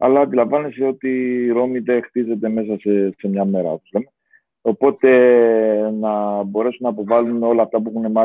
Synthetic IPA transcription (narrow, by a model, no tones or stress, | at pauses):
ɐ̰lːɐːnd̪ilɐɱvɐneseo̞t̪iːɾo̞miðe̞xt̪ize̞t̪e̞me̞s̬ɐsese̞mɲɐme̞ɾɐ̰t̪uzle̞me̞ | o̞po̞t̪e̞ | nɐbo̞ɾe̞sunːɐpo̞vɐluno̞lɐːft̪ɐp̬uexunemɐ